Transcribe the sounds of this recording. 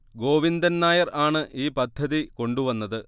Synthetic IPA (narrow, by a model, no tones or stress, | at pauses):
ɡo̞ːʋind̪ɐnnaːjɐraːɳɨʔiːpɐd̪ʱːɐðiko̞ɳɖuʋɐnːɐðɨ